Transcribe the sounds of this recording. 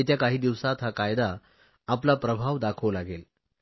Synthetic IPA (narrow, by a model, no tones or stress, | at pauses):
et̪jakaɦiːd̪iʋsat̪ɦakajd̪aː | plapɾəbʱaʋd̪akʰəlaɡel